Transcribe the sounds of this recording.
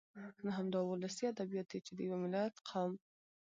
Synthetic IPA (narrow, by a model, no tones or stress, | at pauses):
naɦamd̪ɑwʊlasiad̪abijɑt̪̚d̪et͡ʃed̪əjawemɪlat̪qʰawm